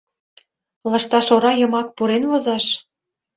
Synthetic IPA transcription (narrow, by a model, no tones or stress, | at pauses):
lɑʃt̪ɑʃoɾɑjɤ̆mɑk̚puɾenvozɑʃ